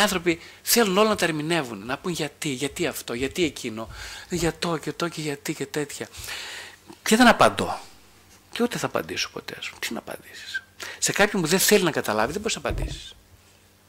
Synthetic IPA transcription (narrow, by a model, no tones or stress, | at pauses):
iɐnθɾo̞piθe̞luno̞lonɐt̪ɐeɾmine̞vunnɐpunʝɐt̪iʝɐt̪iɐft̪o̞ʝɐt̪ie̞cʰino̞ʝɐt̪o̞cet̪o̞ce̞ʝɐt̪ice̞t̪e̞t̪çɐ | t̪eðenɐpɐnd̪o̞̰ | ceut̪eθɐːpɐ̰nd̪iso̥po̞̰t̪e̞̰ɐspumt̪inɐpɐ̰nd̪isi̥sse̞kɐpçompuðenθelinɐkɐt̪ɐlɐviðebo̞ɾiznɐpɐ̰nd̪ḭsi̥s